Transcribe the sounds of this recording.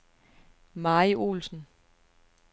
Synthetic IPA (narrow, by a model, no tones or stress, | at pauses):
mɑːiʔo̰ːlsn̩